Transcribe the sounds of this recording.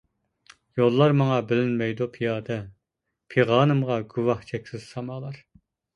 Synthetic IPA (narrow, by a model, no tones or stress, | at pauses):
jolˠːɑɾmɑŋɑbɪlɪnmɛjd̪upʰijɑːd̪ɛ | pʰeʁɑːnɨmʁɑɡuwɑht͡ʃʰɛkʲsɪz̥sɑmɑːlˠɑɾ